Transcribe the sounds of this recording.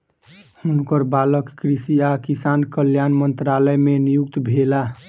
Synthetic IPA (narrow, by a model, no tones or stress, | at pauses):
hunkəɾbaləkːkɾisiakisankəljanmənt̪ɾaləjmenijukt̪bʱela